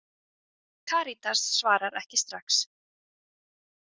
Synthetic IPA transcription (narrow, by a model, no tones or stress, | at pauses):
kʰaːɾit̪ʰasːvaːɾaɾɛhcɪst̪ɾaxks